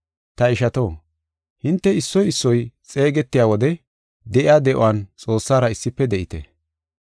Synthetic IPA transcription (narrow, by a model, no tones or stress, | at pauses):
t̪ɐɪʃɐt̪o̞ː | hɪnt̪ːɛɪsːɔjɪsːɔjt͡sʼe̞ːɡɛt̪ːɪjaːwɔd̪ɛ | d̪ɛʔɪaːd̪ɛʔʊ̰want͡sʼo̞ːsːaːɾɐɪsːɪpːɛd̪ɛʔɪt̪ɛ̰